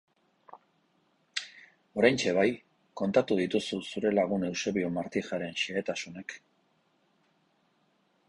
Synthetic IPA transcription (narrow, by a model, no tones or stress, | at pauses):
o̞ɾajnt͡ʃe̞β̞aj | ko̞nt̪at̪uðit̪ususuɾe̞laɣ̞une̞wse̞βiomaɾt̪ixaɾe̞nʃaet̪asune̞k